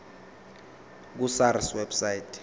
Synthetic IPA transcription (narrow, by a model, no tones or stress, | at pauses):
k̬usaɾiswɛbsaitʰʼ